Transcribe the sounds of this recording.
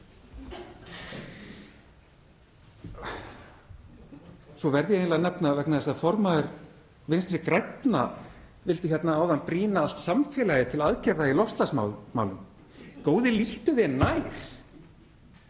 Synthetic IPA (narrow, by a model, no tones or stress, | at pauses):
sɔvɛɾðɪjɛeːjnlanɛpnavɛk̚naðɛsafɔɾmaðɪɾ | vɪnst̪ɾɪkɾajt̪na̰ | vɪlt̪ɪçjɛt̪naaːwðanpɾiːnaal̥t̪samfɛːlajɪt̪ʰɪlaðcɛɾðailɔfst̪lasma̰wma̰wlʏm | koːwðɪliht̪ʏðɛnːaːjɾ̥